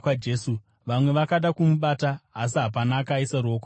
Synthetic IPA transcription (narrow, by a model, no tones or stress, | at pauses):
ad͡ʒeːsu | ʋamwe̞ʋakaɗakumuɓataːs̬iɦap̬anaːkaisaɾuoːko